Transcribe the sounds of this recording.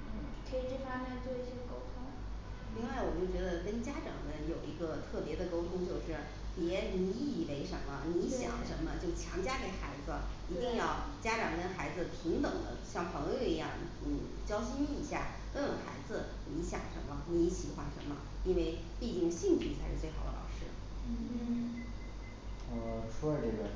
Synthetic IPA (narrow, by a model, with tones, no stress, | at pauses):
n̩˥˩ | kʰɤ˧˥i˨˩ʈ͡ʂ̩˥˩fa˥mɛ˥˩nt͡swɔ˥˩˧ɡko˥ʊt̪ʰʊ˥ŋ | li˥˧ŋwa˥˩ɪwɔ˨˩t͡ɕjo˥˩t͡ɕɥɛ˧˥d̪ə˧kə˥nt͡ɕja˥ʈ͡ʂɑ̰˨˩ŋd̪ə˦jo˨˩ʊi˧˥ɡə˧t̪ʰɤ˥˩pjɛ˧˥d̪ə˧ko˥ʊt̪ʰʊ˥ŋt͡ɕjo˥˧ʊʂɻ̩˥˩ | pjɛ˧˥ni˧˥˨we˧˥ɪʂə˧˥nmə˧ni˧˥ɕjɑ̰˨˩˦ŋʂə˧˥nmə˧t͡ɕjo˥˩ʊt͡ɕʰjɑ̰˧˥ŋt͡ɕja˥ke˨˩ɪxa˧˥ɪd͡zɹ̩˧i˧˥t̪i˥˧ŋjɑ˥˩ʊt͡ɕja˥ʈ͡ʂɑ˨˩ŋkə˥nxa˧˥ɪd͡zɹ̩˧t̪ʰi˧˥ŋt̪ɤ˨˩ŋd̪ə̰˦ɕjɑ˥˩ŋpʰɤ˧˥ŋjo˧i˧˥jɑ̰˥˩ŋ | n̩˥˩ | t͡ɕjɑ˥ʊɕi˥ny˥˩i˧˥ɕja̰˥˩ | kə˥ə˨˩xa˧˥ɪd͡zɹ̩˧ | lni˧˥ɕjɑ̰˨˩ŋʂə̰˧˥nmə˧ni˧˥t͡ɕʰi˨˩xwa˥˩ʂə̰˧˥nmə̰˧ | i˥nwe˥˧ɪ | pi˥˧t͡ɕi˥˧ŋɕi˥˧ŋt͡ɕʰy˥˩t͡sʰa˧˥ɪʂɻ̩˥˧t͡swe˥˩ɪxɑ˨˩d̪ə̰˧lɑ̰˨˩ʊʂɻ̩˥˩˥ | ə˧ʂʰɔ˥ə˧ʈ͡ʂɤ˥˩ɡə˩